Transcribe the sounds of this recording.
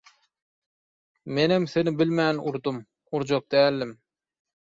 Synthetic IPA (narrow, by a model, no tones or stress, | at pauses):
menɪmsenɪbɪlmænuɾd̪um | uɾd͡ʒoq̚d̪æːlːɪm